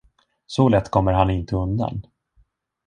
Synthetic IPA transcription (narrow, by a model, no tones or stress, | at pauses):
sɔlɛt̪ːkʰɔmːəɾɦanɪnt̪əɵnd̪a̰n